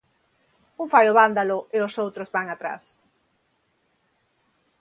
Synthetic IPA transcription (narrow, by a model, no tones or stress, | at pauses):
uŋfajoβand̪alʊeʊsowt̪ɾozβaŋat̪ɾa̰s